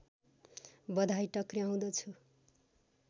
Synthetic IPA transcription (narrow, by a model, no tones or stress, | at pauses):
bʌd̪ʱajʈʌkriaw̃d̪ʌt͡sʰu